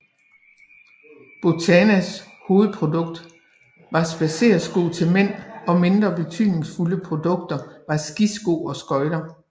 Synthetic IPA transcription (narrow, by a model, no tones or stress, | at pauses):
b̥ot͡sʰænæs | ho̝ːð̩ˠpʰʁo̝d̥ɔ̽ɡ̥d̥ | ʋɑ̈sb̥æse̝̰ːɐsɡ̥o̝̰ːt͡sʰe̝lmen̰ɒ̽me̝nd̥ʁɐb̥e̝t͡sʰy̰ðˠne̝ŋsfuləpʰʁo̝d̥ɔ̽ɡ̥̚d̥ɐʋɑ̈sɡ̥isɡ̥o̝̰ːɒ̽sɡ̥ɒ̽ɪɾɐ